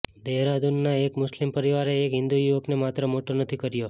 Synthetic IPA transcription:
d̪eɦɾad̪unːaekmʊslimpəɾiʋaɾeːkɦɪ̃nd̪ujuʋəknemat̪ɾəmoʈonət̪ʰikəɾjo

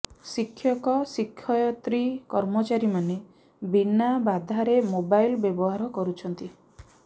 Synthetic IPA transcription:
sikʰːjɔkɔsikʰːɔjɔt̪ɾikɔɾmɔt͡ʃaɾimane | binabad̪ʱaɾemobajlbjebɔɦaɾɔkɔɾut͡ʃʰɔnt̪i

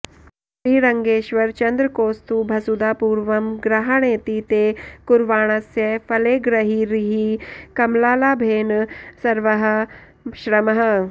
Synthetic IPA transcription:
ʃɾiːɾɐŋɡeːʃʋɐɾt͡ʃɐnd̪ɾəkoːst̪ubʱɐsud̪aːpuːɾʋɐmɡɾaɦaɽ̃eːt̪iːt̪eːkʊɾʋaːɽ̃ɐsjɐfʰɐleːɡɾɐɦiɾiɦikɐmlaːlaːbʱeːnsɐɾʋɐɦɐ̆ | ʃɾɐmɐɦɐ̆

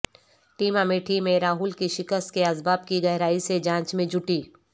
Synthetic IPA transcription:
ʈiːmameːʈʰimẽɾaːɦʊlkiʃɪkəst̪̚keazbaːbkiɡɐɦɾaːised͡ʒãːt͡ʃmẽd͡ʒʱʊʈiː

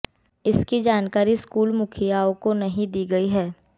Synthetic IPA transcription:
ɪskid͡ʒaːnkaːɾiskuːlmʊkʰijaːõkonɐɦĩd̪iːɡɐiɦɛː

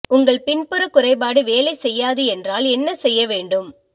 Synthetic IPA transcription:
ʊŋɡɐɭpɪnpɯɾɐkːʊrɐɪbaːɽɯʋeːlɐɪsɛjːaːðɯɛndraːlɛnːɐsɛjːɐʋeːɳɖɯm

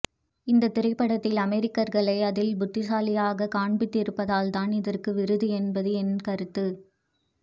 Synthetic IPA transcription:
ɪnd̪ɐt̪ːɪɾɐɪpːɐɽɐt̪ːɪlɐmɛɾɪkːɐɾɣɐɭɐɪɐðɪlbʊt̪ːɪsaːlɪjaːɣɐkaːɳbɪt̪ːɪɾɯpːɐðaːlt̪aːnɪðɐrkɯʋɪɾɯðɯɛnbɐðɯɛnkɐɾɯt̪ːɯ

